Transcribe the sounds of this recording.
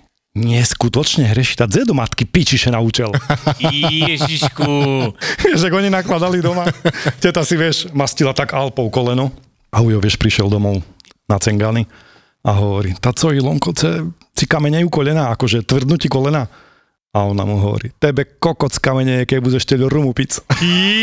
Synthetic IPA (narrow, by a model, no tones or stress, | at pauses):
ɲɪɛskut̪ɔt͡ʃɲɛɦɾɛʃit̪ad͡zɛd̪ɔmat̪kipit͡ʃiʃɛnaut͡ʃɛl | ɛʒiʃkuʋɪɛʃaɡɔɲinaklad̪alid̪ɔmacɛt̪asiʋɪɛʃmascilat̪aɡalpɔʊkɔlɛnɔ | aujɔʋɪɛʃpɾiʃɪɛld̪ɔmɔʊ | nat͡sɛŋɡani | aɦɔʋɔɾit̪at͡sɔilˠɔŋkɔt͡sɛ | t͡sikamɛɲɛukɔʎɛnaːakɔʒɛt̪ʋr̩d̪nucikɔlɛnaː | aɔna̰muɦɔʋɔ̰ɾḭt̪ɛbɛkɔkɔt͡skamɛɲɛjɛkɛbuɟɛʃcɛʎɔɾumupit͡s